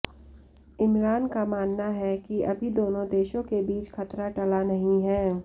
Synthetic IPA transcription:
ɪmɾaːnkamaːnːaɦɛkiɐbʱid̪oːnõd̪eːʃõkebiːt͡ʃxɐt̪ɾaʈɐlanɐɦĩɦɛ̃ː

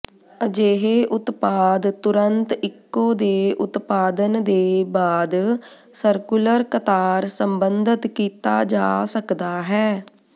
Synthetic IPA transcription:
əd͡ʒeːɦeːʔʊt̪paːd̪t̪ʊɾənt̪ɪkːõːd̪eːʔʊt̪paːd̪ənd̪eːbaːd̪ | səɾkʊləɾkət̪aːɾsəmbənd̪ət̪kiːt̪aːd͡ʒa̰ːsəkd̪aːɦɛː

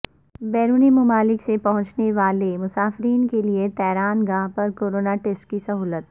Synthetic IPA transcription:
bɛːɾuːnimʊmaːlɪksepɐɦʊ̃t͡ʃneʋaːlemʊsaːfɾiːnkeliet̪ɛːɾaːnɡaːɦpɐɾkoːɾoːnaʈeːsʈkisɐɦuːlət̪̚

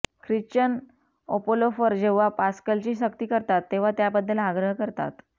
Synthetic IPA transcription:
kɾiɕt͡ɕən | opolofəɾd͡ʑeʋ̤apaskəlt͡ɕiːɕəkt̪iːkəɾt̪at̪ːeʋ̤at̪jabəd̪ʱːəlaɡɾəɦkəɾt̪a̰t̪

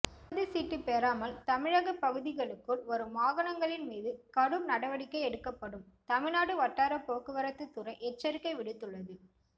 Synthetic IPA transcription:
ɯðɪsiːʈːɯpːeːɾaːmɐlt̪ɐmɪɻɐɣɐpːɐɣɯðɪɣɐɭɯkːɯɭɔɾɯmaːɣɐɳɐŋɡɐɭɪnmiːðɯkɐɽɯmnɐɽɐʋɐɽɪkːɐɪɛɽɯkːɐpːɐɽɯm | t̪ɐmɪɻaːɽɯʋɐʈːaːɾɐpoːkːɯʋɐɾɐt̪ːɯt̪ːɯɾɐɪʔɛt͡ʃːɐɾɯkːɐɪʋɪɽɯt̪ːɯɭːɐðɯ

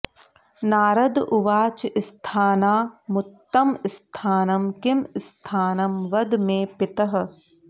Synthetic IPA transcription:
naːɾɐd̪ʊʋaːt͡ʃɪst̪ʰaːnaːmʊt̪ːɐmɪst̪ʰaːnɐmkɪmɪst̪ʰaːnɐmʋɐd̪mẽːpɪt̪ɐɦ

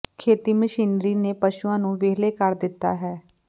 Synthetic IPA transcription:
kʰeːt̪iːməʃiːnɾiːneːpəʃuãːnũːʋeːɦleːkəɾd̪ɪt̪ːa̰ːɦɛː

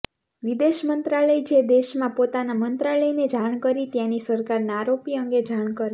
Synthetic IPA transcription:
ʋid̪eʃmənt̪ɾaləjd͡ʒed̪eʃmãpot̪anamənt̪ɾaləjned͡ʒaɳ̃kəɾit̪jãnisəɾkaɾnaaɾopiəŋɡed͡ʒaɳ̃kəɾ

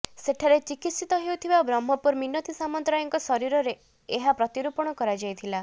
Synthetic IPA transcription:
seʈʰaɾet͡ʃikit̪sit̪ɔɦewt̪ʰibabɾɔmɦɔpuɾminːɔt̪isamɔnt̪ɾajɔŋkɔsɔɾiɾɔɾeː | ɦapɾɔt̪iɾupɔɽ̃ɔkɔɾad͡ʒajt̪ʰila

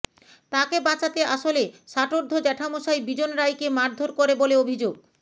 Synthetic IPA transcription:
t̪akebat͡ɕat̪eʔaʃoleʃaʈoɾd̪ʱːod͡ʑɛʈʰamoʃajbid͡ʑonɾajkemaɾd̪ʱoɾkoɾeboleobʱid͡ʑoɡ

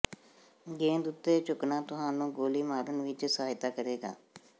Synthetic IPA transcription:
ɡẽːd̪ʊt̪ːeːt͡ʃʊknãːt̪ʊɦãːnũːɡoːliːmaːɾənʋɪt͡ʃsəaːjt̪aːkəɾeːɡa̰ː

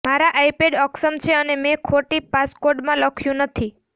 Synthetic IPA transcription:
maɾaʔaipeɖɔksəmt͡ʃʰeənemẽkʰoʈipaskoɾɖmãləkʰjũnət̪ʰi

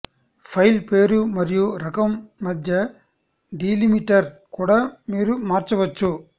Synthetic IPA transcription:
pʰɐjlpe̞ːɾumɐɾijuɾɐkɐmːɐd̪ʱjɐ | ɖiːlimiʈɐɾkuːɽaːmiːɾumaːɾt͡ʃɐʋɐt͡ʃːu

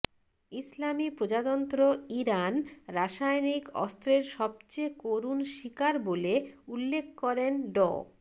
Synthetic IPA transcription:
islamipɾod͡ʑat̪ɔnt̪ɾoiɾanɾaʃajnikɔ̰st̪ɾeɾʃɔb̚t͡ɕekoɾunʃikaɾboleulːek̚ʰkɔɾenɖɔ̰

